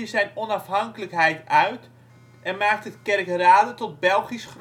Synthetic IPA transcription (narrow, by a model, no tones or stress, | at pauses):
əzɛjnɔnɑfɦɑŋkələkɦɛjtœɥt | ʔɛnmaːk̚tɦətkɛrkraːdətɔt̚bɛlˠχisχr